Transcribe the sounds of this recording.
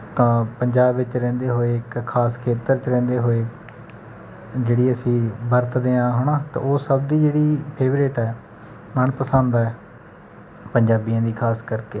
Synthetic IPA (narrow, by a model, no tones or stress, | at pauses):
pəɲd͡ʒaːbʋɪt͡ʃɾɛ̃ːnd̪eːɦoːeːkkʰaːskʰeːt̪əɾt͡ʃɾɛ̃ːnd̪eːɦoːeː | d͡ʒeːɽiːəsĩːbəɾt̪d̪eːãːɦoːɳaːt̪ã̰ːoːsəbd̪iːd͡ʒeːɽiːpʰeːʋɾeːʈɛː | məɳpəsə̃nd̪aːɛː | pəɲd͡ʒaːbijãːd̪iːkʰaːskəɾkeː